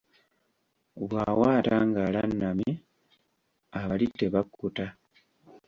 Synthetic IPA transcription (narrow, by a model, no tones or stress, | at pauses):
βwaːwaːtaŋɡalanːami | aβalitːe̞βakːuta